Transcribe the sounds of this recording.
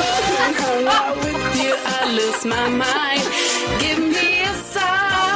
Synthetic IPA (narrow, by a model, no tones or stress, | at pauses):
awɪðjɨʔaɪlʊsmaɪmãɪ̃ndɡɪvŋmiɨsa